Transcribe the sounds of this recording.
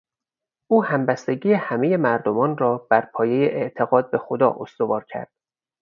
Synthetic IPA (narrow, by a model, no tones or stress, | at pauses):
ʔuːhæmbæst̪e̞ɟiːehæme̞je̞mæɾd̪omɒːnrɒːbæɾpʰɒːje̞jeʔeʔt̪ʰe̞ɣɒːd̪̚be̞xod̪ɒ̰ːʔost̪o̞vɒːɾcʰæ̰ɾd̪̥